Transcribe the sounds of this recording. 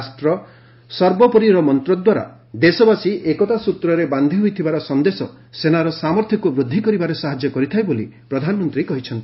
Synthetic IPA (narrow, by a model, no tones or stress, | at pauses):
sʈɾɔ | sɔɾbɔpɔɾiɾɔmɔnt̪ɾɔd̪waɾa̰ | d̪esɔbasiʔekɔt̪asut̪ɾɔɾeband̪ʱiɦojt̪ʰibaɾɔsɔnd̪esɔ | senaɾɔsamɔɾt̪ʰikubɾud̪ʱːikɔɾibaɾesaɦad͡ʒjɔkɔɾit̪ʰajbolipɾɔd̪ʱanɔmɔnt̪ɾikɔɦit͡ʃʰɔnt̪i